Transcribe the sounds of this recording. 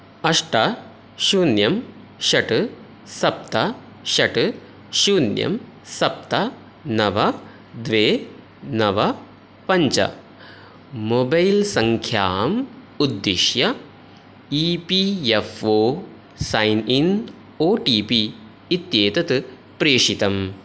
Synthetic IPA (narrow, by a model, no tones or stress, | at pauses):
ɐʂʈɐ | ʃuːnjɐm | ʃɐʈɨ | sɐp̚t̪ɐ | ʃɐʈɨ | ʃuːnjɐ̰m | sɐp̚t̪ɐ | nɐʋɐ | d̪ʋeː | nɐʋɐ | pɐɲt͡ʃɐ̰ | mobɐjlsɐŋkʰjaːm | ud̪ːiʃjɐ | ipiefoː | sɐjnin | oːʈiːpiː | t̪jeːt̪ɐt̪ɨ | pɾeːʂit̪ɐm